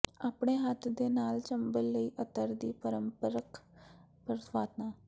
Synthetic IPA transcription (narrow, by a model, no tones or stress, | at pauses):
aːpɳeːɦət̪ʰd̪eːnaːlt͡ʃəmbəlːəiːʔət̪əɾd̪iːpəɾəmpəɾək | pəɾət̪ʰʋaːt̪nãː